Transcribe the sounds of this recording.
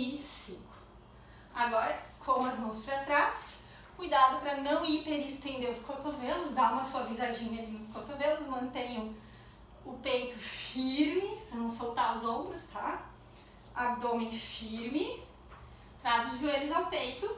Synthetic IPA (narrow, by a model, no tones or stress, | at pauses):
isĩkʊ̥ | aɡɔɾɐkʰõɐzmɐ̃w̃spɐɾat̪ɾas | kujd̪ad̪ʊpɾɐnɐ̃w̃ipeɾɪst̪ẽnd̪eɾʊskoɾt̪ovelʊzd̪aũɐsuɐvizad͡ʒĩɲɐlinʊskoɾt̪ovelʊsmɐ̃nt̪ẽɲɐ̃w̃ | ʊpejt̪ʊfiɾmɪnɐ̃w̃sowt̪aɾʊzõbɾʊst̪a | ad̪õmẽt͡ʃfiɾmɪ | t̪ɾazʊzvueʎʊzawpejt̪ʊ